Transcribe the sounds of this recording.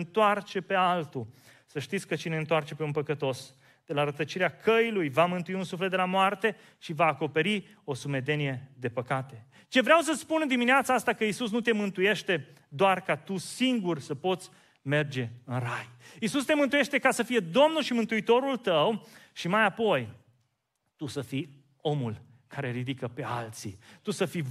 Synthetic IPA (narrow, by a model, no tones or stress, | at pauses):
nt̪oart͡ʃe̞pe̞alt̪u | səʃt̪it̪sʲkət͡ʃine̞ɨnt̪oart͡ʃe̞peunpəkət̪o̞s | d̪̥e̞laɾət̪ət͡ʃiɾeakʰəilujvamɨnt̪uiunsuflet̪d̪elamoart̪e̞ | ʃivaːko̞pe̞ɾi | o̞sume̞d̪e̞nije̞d̪e̞pəkat̪e̞ | t͡ʃe̞vɾeaws̬ət̪sʲpunɨnd̪imineat̪saast̪akəisus̬nut̪e̞mɨnt̪uje̞ʃt̪e̞ | d̪oarkat̪usiŋɡursəpo̞t̪sʲ | me̞rd͡ʒe̞ɨnrajisust̪e̞mɨnt̪uje̞ʃt̪e̞kasəfije̞d̪o̞mnulʃimɨnt̪uit̪o̞ɾult̪əwʃimajapo̞j | t̪usəfi | o̞mul | kʰaɾe̞ɾid̪ikəpe̞alt̪sḭt̪usəfi